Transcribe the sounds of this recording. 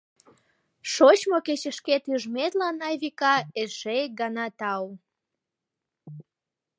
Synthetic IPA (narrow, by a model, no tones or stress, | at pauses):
ʃot͡ɕmoket͡ɕəʃket̪yʒmet̪lɑnɑjβikɑeʃek̚ɡɑnɑt̪ɑw